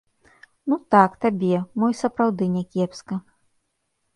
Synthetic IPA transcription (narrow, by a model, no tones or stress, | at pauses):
nut̪akt̪abʲɛmɔjsɐpɾawd̪ɨnʲɛkʲɛpskɐ